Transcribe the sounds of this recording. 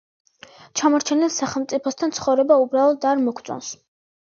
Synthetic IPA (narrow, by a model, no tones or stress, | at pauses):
t͡ʃʰamɔɾt͡ʃʰɛnɛlˠsaχɛlˠmt̪sʼipʰɔst̪ʰant̪sʰχɔvɾɛbaubɾalˠɔd̪aɾmɔkʰt̪sʼɔ̰ns